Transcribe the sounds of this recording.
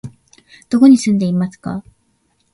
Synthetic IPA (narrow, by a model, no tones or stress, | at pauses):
d̪̥o̞ko̞ɲ̟isɨ̃nd̪e̞imasɨ̥ka̰